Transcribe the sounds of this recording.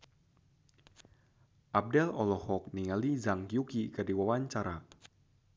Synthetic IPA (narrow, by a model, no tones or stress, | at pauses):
ʔab̚dɛlɔlɔhɔk̚niŋalizaŋkjukikadiwawaɲt͡ʃaɾa